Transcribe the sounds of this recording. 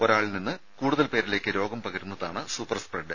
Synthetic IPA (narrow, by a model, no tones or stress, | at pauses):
o̞ɾaːɭininːɨ | kuːɽuðɐlpe̞ːɾile̞ːkːɨɾo̞ːɡɐmpɐɣɐɾunːɐðaːɳɨsuːpːɐrspreɖɨ